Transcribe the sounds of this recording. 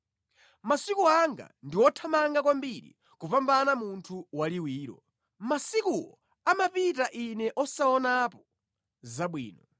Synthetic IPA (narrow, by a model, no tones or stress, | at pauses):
masikuaŋɡa̰ndiwɔtʰamaŋɡak̬wambiɾḭ | kupambanamuntʰuwaliwiːɾɔ̰ | masikuwɔ | amapitaʔinɛʔɔsaɔnapɔ̥ | zaɓwḭːnɔ